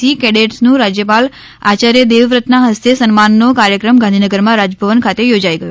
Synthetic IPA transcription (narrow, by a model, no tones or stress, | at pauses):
ikɛɽeʈsnũɾad͡ʒjəpal | at͡ʃaɾjəd̪eʋɾət̪nãɦəst̪esənmanːokaɾjəkɾəmɡãnd̪ʱinəɡəɾmãɾad͡ʒəbʱəʋənkʰat̪ejod͡ʒaiɡəju